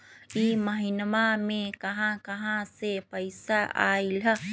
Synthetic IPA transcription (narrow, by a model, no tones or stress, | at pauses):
iməɦinmamẽkəɦãkəɦãsepəɪsaʔa̰ːilɦə